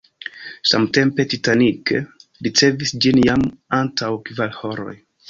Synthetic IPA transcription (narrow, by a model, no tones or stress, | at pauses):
samte̞mpe̞titanikeɾit͡se̞visd͡ʒinjamantʰawkvalho̞ɾo̞̰j